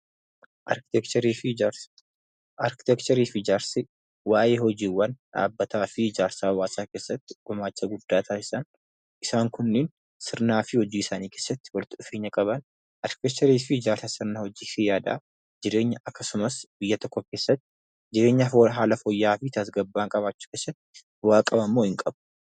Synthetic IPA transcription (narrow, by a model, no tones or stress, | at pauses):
ʔɐ̰ɾkɪ̥t̪ɛkt͡ʃɐɾiːfɪd͡ʒ | ʔɐɾkɪ̥t̪ɛkt͡ʃɐɾiːfɪd͡ʒaːɾsɪ | waːjeːhɔd͡ʒiːwːɐnᶑa̰ːbːɐt̪aːfɪd͡ʒaːɾsaːwaːsaːke̞ːsːɐt̪ːɪ̥ɡ̥ɔmaːt͡ʃːɐɡʊd̪̥ːaːt̪ʰaːɪsɐn | ʔɪsaːŋkʊnːɪn | sɪɾnaːfɪhɔd͡ʒiːɪsaːniːke̞ːsːɐt̪ːɪ̥wɐlt̪ːɪʊfe̞ːɲːɐkʼɐβɐn | ʔɐɾkɪ̥t̪ɛk̚t͡ʃɐɾiːfɪd͡ʒaːɾsɐsɪɾnaːhɔd͡ʒiːsɪjaːd̪ɐ̰ː | d͡ʒɪɾe̞ːɲːɐʔɐkːɐsʊmɐsbɪjːɐt̪ɔkːɔke̞ːsːɐt̪ːɪ̥ | d͡ʒɪɾeːɲːɐɦaːlɐfɔjːaːfɪt̪ʰɐs̬ɡɐbːaːŋkʼɐβaːt͡ʃːu̥keːsːɐt̪ːɪ | waːkʼɐbɐmːoːhɪŋkʼɐbʊ̥